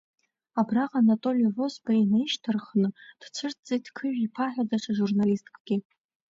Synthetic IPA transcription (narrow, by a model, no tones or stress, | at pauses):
abraqʼanatʼo̞lijovo̞sbainaiʃtʰɨrχnɨd̥t͡ʃʷʰɨrt̚ʰd͡zet̚ʰkʰɨʒᶣipʰaħʷᶣadaʂʷʰaʒurnalistkʰʼɡ̥ʲɪ